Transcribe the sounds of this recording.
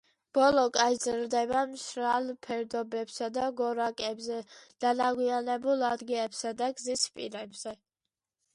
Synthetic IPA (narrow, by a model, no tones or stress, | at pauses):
b̥ɔlˠɔkʼazɾd̪ɛbamʃɾalˠpʰɛɾd̪ɔbɛbsad̪aɡɔɾakʼɛbzɛd̪̥anaɡwianɛbulˠad̪ɡilɛpsad̪aɡzispʼḭɾɛbz̥ɛ